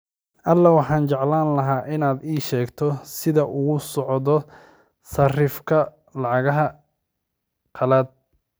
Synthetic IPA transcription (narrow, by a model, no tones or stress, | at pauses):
ʔɐlːɐwɑħɑːnt͡ʃɑʕlaːnlɐɦaːʔɪnaːd̪iːʃɛːɡt̪ʰɔsɪðɐʔʊɣʊsɔʕðɔ | sɐrɪfkʰɐ | lɑʕɑɣɐɦɐ | qʰɐlaːd̪̚